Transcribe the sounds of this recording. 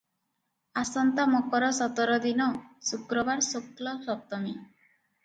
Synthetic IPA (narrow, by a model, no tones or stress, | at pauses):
asɔnt̪amɔkɔɾɔsɔt̪ɔɾɔd̪inɔsukɾɔbaɾsoklɔsɔp̚t̪ɔmi